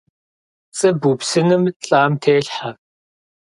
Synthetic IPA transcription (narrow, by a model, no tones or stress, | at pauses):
t͡sʼɨbupsɨnɨmɬʼaːmtʰeːɬħa